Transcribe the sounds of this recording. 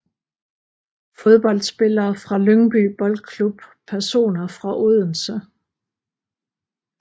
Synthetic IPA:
fo̝ð̞ˠb̥ɒ̽l̰d̥sb̥e̝lɐːfʁɑ̈løŋb̥y̰b̥ɒ̽l̥kʰlub̥pʰæɐso̝̰ːnɐfʁɑ̈ʔoð̞ˠn̩sə

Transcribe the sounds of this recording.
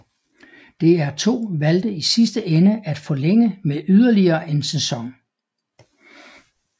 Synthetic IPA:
d̥e̝æɐt͡sʰo̝̰ːʋæld̥əisisd̥əʔenəʔæd̥fɒ̽leŋ̰əmeʔyð̞ˠɐliɐːʔe̝nsesɒ̽ŋ

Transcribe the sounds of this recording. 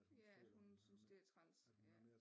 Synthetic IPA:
jæ̥hunsynsd̥e̝æɐt͡sʰʁan̰s | jæ

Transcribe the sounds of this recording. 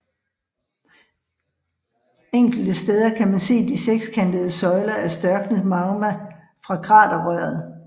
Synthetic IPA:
eŋ̰ɡ̥l̩d̥əsd̥eːð̞ˠɐkʰæmænse̝̰ːd̥iseɡ̥skʰænd̥əð̞ˠəsɒ̽ɪlɐæɐsd̥ɶɐɡ̥nəð̩ˠmɑ̈ʊmæ | fʁɑ̈kʰʁɑ̰̈ːd̥ɐʁœːɐð̩ˠ

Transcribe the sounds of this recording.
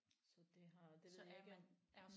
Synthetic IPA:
sɒ̽d̥e̝ɦɑ̈d̥eɡ̥

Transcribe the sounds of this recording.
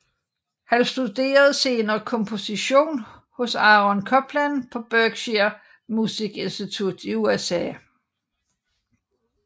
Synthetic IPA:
hænsd̥ud̥e̝̰ːɐð̞̩ˠse̝ːnɐːkʰɒ̽mpʰo̝siɕo̝̰ːnhɔ̽sɑ̈ʁɒ̽nkʰɒ̽b̥ʰlænpʰɒ̽b̥œɡ̥ɕiɐ | musiɡ̥e̝nsd̥it͡sʰud̥iuesɛ̰ː

